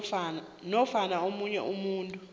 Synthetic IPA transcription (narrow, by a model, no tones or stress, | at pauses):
nɔfanaomuɲɛ̰ʔumuːntʼu